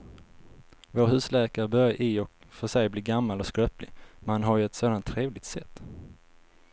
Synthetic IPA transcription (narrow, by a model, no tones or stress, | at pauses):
voːɾɦʉ̟ːslɛːkaɾəbœɾjaʔiːɔkfœʂɛjbliːɡamːalɔskɾœːplɪ̰mɛnhanɦaɾjɵɛt̪soːd̪ant̪ʰːɾeːvlɪɡ̚t̪sɛt̪ː